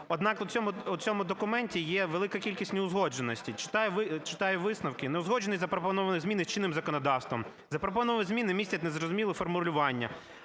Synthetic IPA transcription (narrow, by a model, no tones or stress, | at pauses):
ɔd̪nɑkʊt͡sʲɔmʊʊt͡sʲɔmʊd̪ɔkʊmɛnʲtʲijɛʋelˠɪkɐkʲilʲkʲisʲtʲnʲeʊzɦɔd͡ʒenɔsʲtʲit͡ʃɪ̥t̪ɑjɛʋɪt͡ʃɪ̥t̪ɑjɛʋɪsnɐwkɪneʊzɦɔd͡ʒʒenisʲzɐpɾɔpɔnɔʋɐnɪɣzʲmʲinɪst͡ʃinːɪmzɐkɔnɔd̪ɑwst̪ʋɔm | zɐpɾɔp̬ɔnɔʋɐʋɪzʲmʲinɪmʲisʲɐtʲnezɾɔzʊmʲilˠɪfɔrmʊlʲʊʋɑnʲːɐ̰